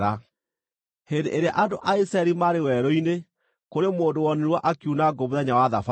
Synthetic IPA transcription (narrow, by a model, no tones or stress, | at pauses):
a | hendeʔeɾeaʔandoʔaisaɛɾimaɾewɛɾɔine | koɾemoːdowɔneɾwaʔakiunaɡomoðɛɲawaðafa